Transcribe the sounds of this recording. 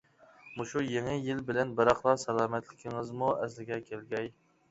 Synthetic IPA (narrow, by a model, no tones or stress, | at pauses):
muʃujeŋɨjɪlbɪlɛnbɪɾɑχlˠɑsɛlˠɑːmɛt̪lɪkʲʰɪŋɨzmuɛslɪɡʲɛkʲʰelɡʲɛj